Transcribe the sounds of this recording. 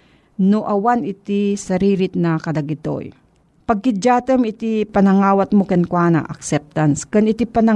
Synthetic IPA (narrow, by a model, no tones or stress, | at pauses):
noʔɐwanɪt̪isɐɾiːɾɪt̪̚nɐkɐd̪ɐɡɪt̪o̰j | pɐɡ̚kɪd͡ʒaːt̪əmɪt̪ipɐnɐŋaːwat̪̚mokɛnkwaːna̰ʔɐ̰ksɛp̚t̪anskɐnɪt̪ipɐnɐ